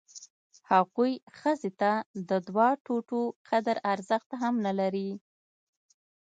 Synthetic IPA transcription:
haɣujxəzet̪ad̪əd̪wɑʈoʈoqʰad̪əɾaɾzəxt̪aɦamnalaɾi

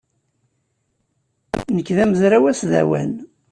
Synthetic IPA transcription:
nəkːðæməzɾæwæsðæ̰wæ̰n

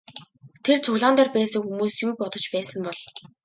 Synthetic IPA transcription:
t̪ʰert͡sʰʊɣɮaːnt̪arpæːsə̆ŋxumuːsjujpɔt̪ɞ̆t͡ɕpæːsə̆mpɔɮ̥

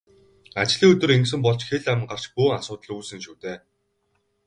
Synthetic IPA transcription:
at͡ɕɮiːɵt̪ɵ̆ɾeŋks̬ɘ̆mpɔɮt͡ɕxeɮæm̆ŋɢar̥t͡ɕpuːasʊːt̪ə̆ɮuːsɘ̆nʃuːt̪eː

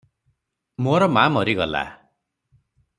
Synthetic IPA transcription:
moɾɔmamʌɾiɡɔla̰

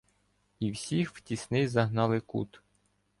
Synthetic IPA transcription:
iwsʲixw̥tʲisnɪjzɐɦnɑlˠɪkṵt̪

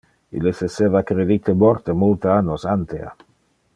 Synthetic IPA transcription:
ḭlːesesevakɾed̪it̪eboɾt̪emult̪eanːosant̪ea̰

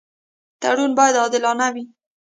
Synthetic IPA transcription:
t̪aɽunbɑjad̪ɑd̪ɪlɑnawi

